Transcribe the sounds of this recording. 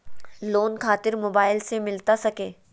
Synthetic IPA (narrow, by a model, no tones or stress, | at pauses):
loːnkʰaːt̪ɪɾmoːbaːɪlsemɪlt̪asɐkeː